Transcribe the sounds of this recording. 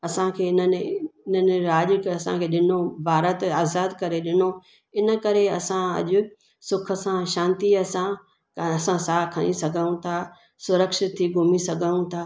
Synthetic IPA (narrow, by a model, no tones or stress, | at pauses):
ɐsãkʰeːɪnəneɪnəneɾaːʄkɐsãkʰeːɗɪnobʱaːɾət̪aːzaːd̪kɐɾeɗɪno | ɪnə̆kɐɾeɐsãɐ̰ʄʊ | sʊkʰə̆sãʃãːnt̪iɐsã | ɐsãsaːɦkʰɐnisɐɡʱəũt̪ʰa | sʊɾəkʃɪt̪ʰːiɡʱʊmisɐɡʱəũt̪ʰaː